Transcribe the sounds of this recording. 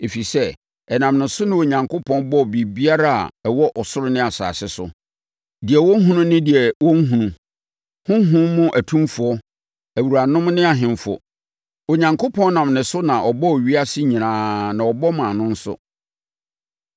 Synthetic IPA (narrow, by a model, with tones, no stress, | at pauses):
e˨fi˨sɛ˦ | ɛ˨nã˨mnʊ̃˨sʊ˦nɪ̃˦wo˨ɲã˨ŋkʰo˦pʰɔ̃˦nbɔ˦˨bi˨bi˦a˦ɾa˦a̰˨ɛ˨wɔ˦ʔɔ˨sʊ˦ɾʊ˦nɪ̃˦a˨sa̰ː˨sɪ˦sʊ˨ | dɪ˨ɛ˨wɔ̃˦ŋ˦ɦũ˦nũ˦nɪ̃˦dɪ˨ɛ˨wɔ̃˦ŋ˦ɦũ˨nũ˨ | hʊ̃˦ɦʊ̃˦mːʊ̃˦ʔæ˨tʰũ˦fʊ˨ɔ˦ | æ˨wu˨ɾa˨nʊ̃˦mnɪ̃˦a˨ɦɪ̃˨mfɔ̰˨ | o˨ɲã˨ŋkʰo˦pʰɔ̃˦nnã˨mnɪ̃˨sʊ˦nã˨ʔɔ˨bɔ˦ɔ˨ɥi˦a˦sɪ˦ɲĩ˨nãː˨˦nã˨ɔ˨bɔ˦mã˨nʊ̃˦n̩˦sʊ̰˦